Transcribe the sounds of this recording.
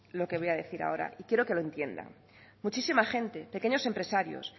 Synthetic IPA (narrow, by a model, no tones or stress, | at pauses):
lo̞ke̞βo̞jaðe̞θiɾa̰o̞ɾa̰ʔikje̞ɾo̞ke̞loẽ̞nt̪je̞nd̪a̰ŋ | mut͡ʃisimaxẽ̞nt̪e̞pe̞keɲo̞se̞mpɾe̞saɾjo̞̰s